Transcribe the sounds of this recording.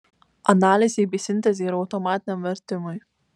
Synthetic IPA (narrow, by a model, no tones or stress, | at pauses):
ɐnaːlʲɪzʲejbʲisʲɪnʲt̪ʲɛzʲɛɪɾɐʊt̪ɔmaːt̪ʲɪnʲɛmʋʲɛɾʲt̪ʲɪmʊj